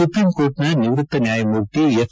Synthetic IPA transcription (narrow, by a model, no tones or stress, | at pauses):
upɾiːmkoːɾʈnanɪʋɾɨt̪ːɐnjaːjɐmoɾʈ̪ejɐ